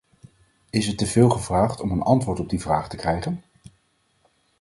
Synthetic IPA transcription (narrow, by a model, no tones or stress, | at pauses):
ɪsətːəvɪːlˠχəvraːχtɔmənʔɑ̰ntʋʊːɹtɔb̚divraːχtəkrɛjχən